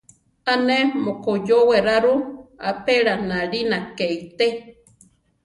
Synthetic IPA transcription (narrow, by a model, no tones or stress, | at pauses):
anemokojoweɾaɾua̰peɺanaɺinakeit̪e